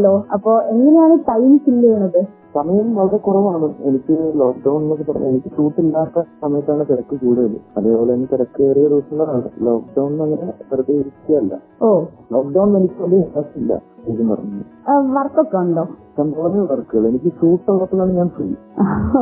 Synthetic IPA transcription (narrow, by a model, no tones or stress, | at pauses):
hɐlːoːɐpːo̞ːe̞ŋːɐnejaːɳɨʈɐjnt͡ɕːilːɐjuɳːɐðɨ | sɐmɐjɐmʋɐlɐɾekurɐʋaːɳue̞nikʲːɨloːkɖɐwnnnːok̬ːɨpːɐrɐ̰m̰enikʲːɨʂuːʈːilːaːt̪ːɐsɐmɐjɐt̪ːaːɳɨt̪iɾɐkːɨkuːɽɐjɐlːṵɐðeːpo̞ːlenːt̪iɾɐkːɨeːrijɐruːsɐŋɡɐɾaːɳɨ̰lo̞ːk̚ɖɐwɳnɐŋːɐnetɐɾɐd̪eiɾit͡ɕːikɐɐlːɐ̰ | oːloːk̚ɖɐwɳʋenikʲːɨɐɳɖiinɐsʈːilːɐ̰eːtɐmpɐ̰rɐ̰ɲːunːɨ̰ | ʋɐrkːokːeuɳɖoːt̪ːaːnpoːɐnːeʋɐrkːɨɣɐɭe̞nik̬ʲːɨʂuːʈːɐlːɐt̪ːɐɣaːɳɨɲaːnfrḭːjṵ